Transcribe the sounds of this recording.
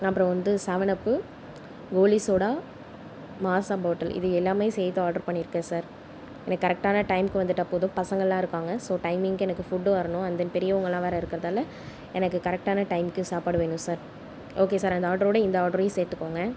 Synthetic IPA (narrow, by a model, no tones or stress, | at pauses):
ɐpːɯɾɔ̃ʋɐnd̪ɯsɐʋɐɳɐpːɯ | ɡoːlɪsoːɽaː | maːsaːboːʈːɐlɪ̰ðɯɛlːaːmejsɛːjt̪ːɯaːɾɖɐɾpɐɳːɪɾɯkːɐ̃ːsaːɾ | ɛnɐːɐɾɛk̚ʈaːnɐʈɐɪmkɯʋɐnd̪ɯʈːɐpːoːðʊ̃pɐsɐŋɡɐɭlãːɪɾɯkːaːŋɡɐsoːʈɐɪmɪŋkɯɛnɐkːɯfʊɖːõɐɾɐnʊ̃ɐnd̪ɐnpɛɾɪjɐʊŋɡɐɭlːãːʋeːɾɐɪɾɯkːɪɾɐðaːlɐ | ɛnɐkːɯkɐɾɛk̚ʈaːnɐʈɐɪmkɪjʊ̃saːpaːɽɯʋeːɳʊ̃saːɾ | ʔoːkeːsaːɾɐnd̪ɐaːɖɐɾoːɽɐɪnd̪ɐaːɖɐɾeseːɾʈ̪ːɯkːoːŋɡɐ